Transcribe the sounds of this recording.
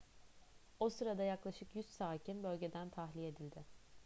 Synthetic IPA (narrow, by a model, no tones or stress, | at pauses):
osɯɾad̪ajaklˠaʃɯkjyzt̪saːcʰinbø̞lʲɟe̞d̪ænt̪ʰaɦlʲie̞d̪ilʲd̪ɪ